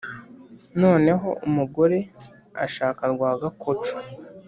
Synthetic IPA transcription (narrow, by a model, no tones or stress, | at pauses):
no̞ːne̞ɦo̞ʔumuɡo̞ɾe̞ | a̰ʃaːkaɾɡwaːɡakʰot͡ʃu̥